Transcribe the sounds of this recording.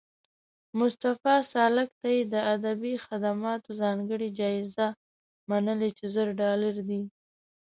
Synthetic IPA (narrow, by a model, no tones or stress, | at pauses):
mʊst̪afɑsɑlak̚t̪ajed̪əad̪abixad̪amɑt̪ozɑŋɡəɽid͡ʒɑɪza | manəlet͡ʃezəɾɖɑlaɾd̪i